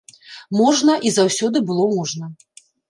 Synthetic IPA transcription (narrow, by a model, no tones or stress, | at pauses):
mɔʐnɐʔizawsʲɔd̪ɨbɨlˠɔmɔʐnɐ